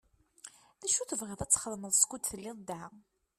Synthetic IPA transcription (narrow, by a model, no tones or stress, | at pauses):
ðæʃuθəvʁəðˤæt͡sːχəðˤməðˤskud̪θəlːɪðd̪æ